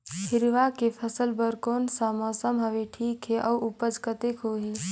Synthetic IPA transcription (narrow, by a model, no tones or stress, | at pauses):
hɪɾʋakepʰəsəlbəɾkoːnsaməsəmɦəʋeʈʰiːkɦeʔɐwupəd͡ʒkət̪ekɦoːɦi